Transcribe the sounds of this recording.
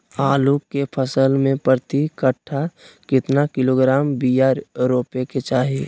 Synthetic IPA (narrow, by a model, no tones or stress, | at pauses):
aːlukepʰəsəlmẽpəɾt̪ikəʈʰːakɪt̪nakɪloɡɾaːmbijaːɾɾoːpeket͡ʃaːɦe